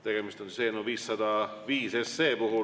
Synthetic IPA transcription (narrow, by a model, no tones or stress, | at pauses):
t̪e̞ɡ̥emist̪onsiseːnoʋiːsːɑd̪ɑ | ʋiːsesːeːpuhu